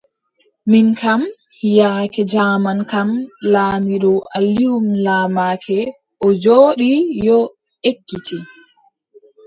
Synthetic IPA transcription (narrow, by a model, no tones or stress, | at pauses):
minkam | hijaːkɛd͡ʒaːmankamlaːmiɗɔʔaliumlaːmaːkʰɛ | ʔɔd͡ʒoːɗijɔ | ʔekːiti